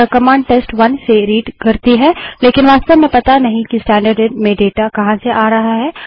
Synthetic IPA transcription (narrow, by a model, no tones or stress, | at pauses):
əkɐmãːɳɖ̚ʈeːsʈʋɐnseɾiːɖkɐɾt̪iɦɛːleːkɪnʋaːst̪əbmẽpɐt̪anɐɦĩkisʈɛ̃ːɳɖəɾɖmẽɖeːʈakɐɦãseʔaːɾɐɦaɦɛː